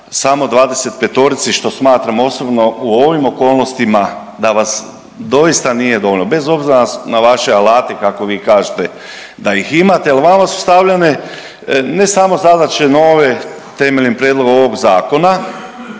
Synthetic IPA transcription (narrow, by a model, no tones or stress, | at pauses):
samo̞d̪ʋaːd̪e̞set̪pet̪o̞ɾit̪siʃt̪o̞smaːt̪ɾamo̞sobno̞uo̞ʋimo̞ko̞ːlˠno̞st̪ima | d̪aʋas | d̪o̞jist̪anije̞d̪o̞ʋolʲnobe̞zo̞bziɾaanaʋaʃe̞alaːt̪ekako̞ʋiːkaːʒet̪e | d̪aiximat̪ealʋamasu̥st̪aʋlʎane̞ | ne̞samo̞zad̪at͡ɕenoːʋe | t̪e̞me̞ʎinpɾjed̪lˠo̞ɡoʋoɡzaːko̞na